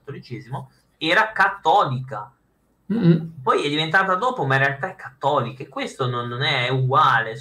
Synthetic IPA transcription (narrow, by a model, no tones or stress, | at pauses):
t̪ːolit͡ʃɛːzimo | ɛːɾakat̪ːɔːlika | pɔjɛd̪ːivent̪aːt̪ad̪oːpomaĩnrealt̪aɛkʰːat̪ːɔːlikeekːwest̪ononːonɛuɡwaːle